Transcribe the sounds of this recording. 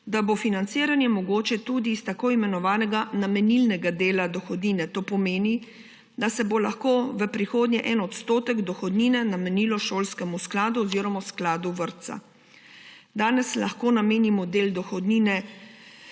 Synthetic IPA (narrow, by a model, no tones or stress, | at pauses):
d̪abofinant̪siːɾanjɛmɔɡoːt͡ʃɛt̪ud̪ist̪akoːimɛnɔʋaːnɛɡanamɛnilnɛɡad̪eːlad̪ɔxɔd̪niːnɛt̪oːpɔmeːni | d̪asɛbolaxkoːʋəpɾixoːd̪ɲɛʔɛnɔt̪st̪oːt̪ɛɡd̪ɔxɔd̪niːnɛnamɛniːlɔʃoːlskɛmusklaːd̪uɔziːɾɔmasklaːd̪uʋəɾt̪sa̰ | d̪aːnɛslaxkoːnameːnimɔd̪eːld̪ɔxɔd̪niːnɛ